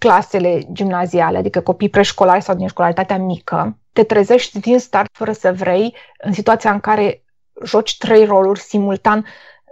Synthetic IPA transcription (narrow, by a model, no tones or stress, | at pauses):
klase̞le̞d͡ʒimnazialea̰d̪ikəko̞pijpɾeʃko̞laɾesawd̪inʃko̞laɾit̪at̪eamikʰə̰t̪e̞t̪ɾeze̞ʃt̪ʲd̪inst̪art̪fəɾəsəvɾe̞j | ɨnsit̪uat̪sijaɨŋkaɾe̞ | ʒot͡ʃʲt̪ɾe̞jro̞lurʲsimult̪an